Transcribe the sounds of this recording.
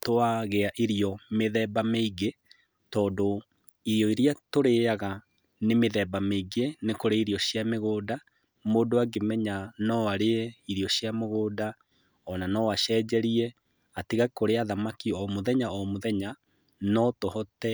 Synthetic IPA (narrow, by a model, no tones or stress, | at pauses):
toaɣeaʔiɾiɔmeðɛbameiɡe | tɔːndo | iɾiɔiɾiatoɾeaɣa | nemeðɛbameiɡenekoɾeiɾiɔɕjameɣoːda | moːdoaɡemɛɲanɔaɾeiɾiɔɕjameɣoːda | ɔnanɔwaʃɛd͡ʑɛɾiɛ | atiɣakoɾeaðamakiɔmoðɛɲaɔmoðɛɲa | nɔtohɔtɛ